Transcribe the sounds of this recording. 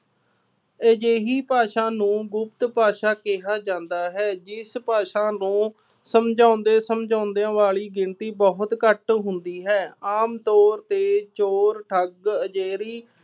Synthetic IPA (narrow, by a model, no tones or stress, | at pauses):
əd͡ʒeːɦiːpaːʃãːnũːɡʊp̚t̪paːʃaːkɪɦaːd͡ʒãːnd̪aːɦɛːd͡ʒɪspaːʃãːnũː | səmd͡ʒãːnd̪eːsəmd͡ʒãːnd̪ejãːʋaːɭiːɡɪnt̪iːbɔɦʊt̪kəʈɦʊnd̪iːɦɛːaːmt̪ɔːɾt̪eːt͡ʃoːɾʈʰəɡəd͡ʒeːɾiː